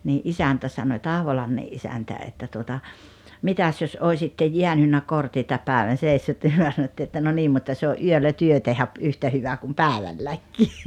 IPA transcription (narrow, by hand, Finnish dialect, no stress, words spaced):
niːʔ ʔisæntæ sɑnoĭ tɑhʋolɑmːeʔ ʔisæntæ etːæ tuotɑ mitæs jos oisitːe jiænynːæ kortitɑ pæˑeʋæn̞ seˑisːyt ni myø sɑnotːiː etːæ no niːm mutːɑ se oʔ ʔyølːæ tyø tehæ p yhtæ hyʋɑ kum pæˑeʋælːækːiː